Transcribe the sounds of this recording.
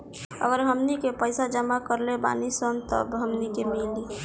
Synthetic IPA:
ə̰ɡəɾɦəmnikepəɪsad͡ʒəmakəɾleba̰nisənt̪ə̰bɦəmnikemili

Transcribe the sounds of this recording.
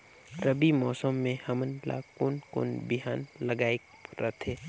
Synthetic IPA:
ɾəbimɔːsəmːẽhɐmənla̰ːkʊnko̰nbɪɦaːnləɡaːe | ɾət̪ʰeː

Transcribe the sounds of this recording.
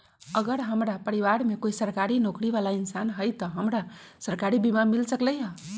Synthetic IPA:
əɡəɾɦəmɾapəɾiʋaɾmekoisəɾkaɾinokɾibalainsanɦəjt̪əɦəmɾasəɾkaɾibimamilsəkləjɦə

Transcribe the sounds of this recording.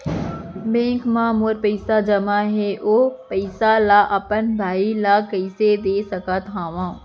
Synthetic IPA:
bẽːŋkmãːmoːɾpɐɪsad͡ʒɐmãɦeːʔoːpɐɪsalaʔɐpənbʱaːilaːkɐɪsed̪eːsɐkʰat̪ʰaːʋãː

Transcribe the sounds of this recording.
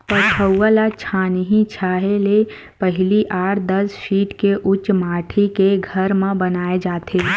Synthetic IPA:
pət͡ʃʰəwəlat͡ʃʰanəɦĩt͡ʃʰaːɦele | pəɦɪliʔaːʈd̪ɐsfiːʈkeʔʊt͡ʃmaːʈʰikeɡʱəɾmẽbənaːed͡ʒaːt̪ʰe

